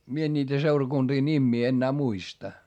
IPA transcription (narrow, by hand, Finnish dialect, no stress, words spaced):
mie en nʲiːtæ seurɑkund̥iː nʲimːiː enːæː muistɑ